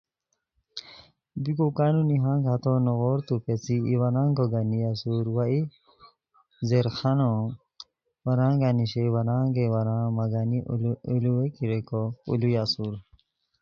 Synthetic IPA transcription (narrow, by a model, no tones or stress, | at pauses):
bikokaːnuniɦãŋɡʱat̪ɔnɔɣɔɾt̪upet͡siːwɐnãːŋɡoɡanijasuɾwai | zeɾxanɔ | wɐɾãːŋɡaniɕewɐnãːŋɡewɐɾãmɐɡaniuluwekiɾekoṵlujasuɾ